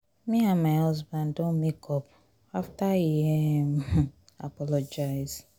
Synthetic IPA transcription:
miãmaɪhɔzbãndɔ̃nmekɔp | aftajiem | a̰pɔlɔd͡ʒaɪz

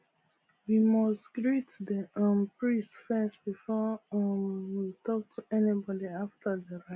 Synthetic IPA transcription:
wimʌstɡ̥ɹitdəʌ̃mpɹĩsfɛstbifɔə̃nwitʰɔk̚tʰuɛnibɔdiaftʰəðəɹa

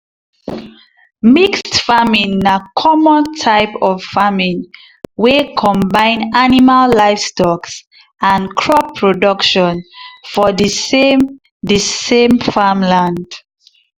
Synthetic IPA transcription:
mikstfamĩnːakʰɔmɔ̃ntʰaɪpɔv̥famĩn | wekʰɔ̃mbãɪ̃nanimalːaɪfstɔks | ãnkʰɹɔpʰːɹodʌkʃɔ̃nfɔdisem | disẽmfamlãnd̥

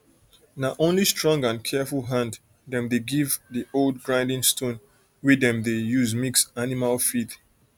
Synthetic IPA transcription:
naʔõnlistʰɹɔ̃ŋɡãnkʰɛfulˠɦãnd | dɛ̃mðeɡivðiʔoldɡɹãɪ̃ndɪ̃ŋstʰõn | widɛ̃mðejuzmiksanimalfid

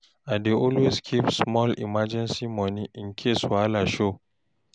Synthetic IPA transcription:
ʔadeʔɔlweskʰipsmɔlɪ̰mad͡ʒɛnsiːmɔniʔɪŋkʲʰesalaʃo

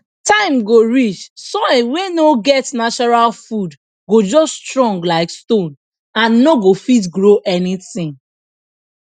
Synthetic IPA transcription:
tãɪ̃mɡoɹit͡ʃsɔ̃wenoɡɛtnat͡ʃɔɹalfud | ɡod͡ʒɔsstɹɔ̃ŋɡlaɪkstõn | ãnːɔɡofit̬ɡɹoʔɛniθɪ̃ŋ

